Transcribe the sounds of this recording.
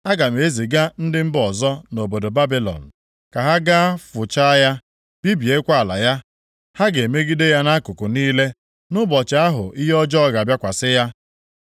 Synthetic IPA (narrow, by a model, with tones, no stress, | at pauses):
a˦ɡa˨m̩e˨˦zi˨ɡa˦n̩˦dɪ˦m̩˦bɔ˨zɔ˦no˨bo˨do˨ba˦bi˦lɔ̰˨n̩˨ | ka˨ɦa˦ɡa˦a˦fʊ˨t͡ʃa˦ja˦ | b̥i˦bi˨e˦kʷa˦a˨la̰˨ja˦ | ha˦ɡe˨e˨me˦ɡi˦de˦ja˦na˦kʊ˨kʊ˨niː˦le˦ | nʊ˦bɔ˨t͡ʃa˨˦a˦ɦʊ̰˨ʔi˦ɦɔ˦d͡ʒɔ˦ɣa˨bja˦kʷa˨sɪ˦ja˦